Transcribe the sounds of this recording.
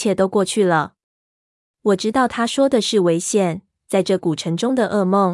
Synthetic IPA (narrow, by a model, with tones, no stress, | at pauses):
jɛ˥˩t̪o˥ʊkwɔ˥˧t͡ɕʰy˥˩lə˩ | wɔ˨˩ʈ͡ʂɻ̩˥t̪ɑ˥˩ʊt̪ʰa˥ʂwɔ˥d̪ə˨ʂɻ̩˥˩we˧˥ɪɕjɛ˨˩n | t͡sa˥˧ɪʈ͡ʂɤ˥˩ku˨˩ʈ͡ʂʰɤ˧˥ŋʈ͡ʂʊ˥ŋd̪ə˨ʔə˥˧mo˥˨ŋ